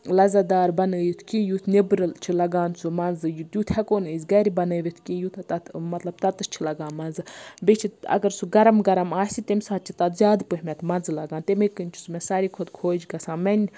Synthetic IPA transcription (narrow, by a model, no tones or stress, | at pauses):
lɐzad̪aːɾbɐnəːjit̪ʰkĩːjut̪ʰnibɾɨt͡ʃʰilɐɡaːnt͡sʰumɐnzɨjut̪jut̪ʰɛkoːnɨːzʲɡɐɾʲibɐnəːʋʲit̪ʰkĩːjut̪ʰt̪ɐt̪mɐt̪lɐb̚t̪ɐt̪ɨt͡ʃʰilɐɡaːnmɐnzɨbet͡ʃʰiɐ̰ɡɐɾsuɡɐɾɐmɡɐɾɐmaːsit̪emʲsaːt̪̚t͡ʃʰit̪ɐt̪zʲaːd̪pɨɦʲmʲɛt̪ʰmɐnzlɐɡaːnt̪emeːkɨnʲt͡ʃʰu̥sumɛ̃saɾiːkʰod̪kʰoːd͡ʒɡɐsãːmɐnʲ